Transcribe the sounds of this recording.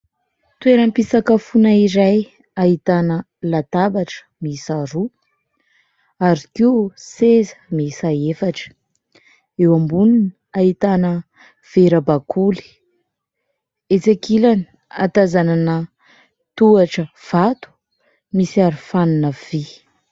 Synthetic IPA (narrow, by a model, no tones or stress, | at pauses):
t̪weɾəmpisakəfunaiɾaj | ait̪anə | lat̪abaʈ͡ʂə̥misaɾu | aɾikisezə̥misaefaʈ͡ʂə̥ | ewambunin | ait̪anə | v̥eɾəbakʰuli̥ | et͡sekilani̥ | a̰t̪azananə | t̪uaʈ͡ʂəv̥at̪u̥ | misiaɾifaninəv̥i